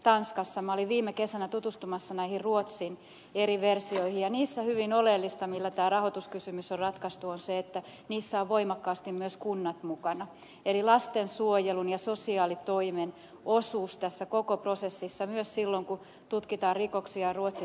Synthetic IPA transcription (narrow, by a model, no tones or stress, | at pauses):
t̪ɑnskɑsːɑmɑoliʋʋiːmːˑekesænæt̪ut̪ust̪umɑsːɑnæihirruot̪sin | eɾiʋersioihijɑniːsːæhyʋinolelːist̪ɑmilːæt̪æːrɑhot̪uskysymysorrɑt̪kɑst̪uonseet̪ːæ | niːsːæoʋʋoimɑkːɑːst̪immyøskunːɑt̪mukɑnɑ | elilɑst̪ensuojelunjɑsosiɑːlit̪oimen | osuːst̪æsːækokoprosesːisːɑmyøssilːoŋku | t̪ut̪kit̪ɑːrrikoksiɑruot̪si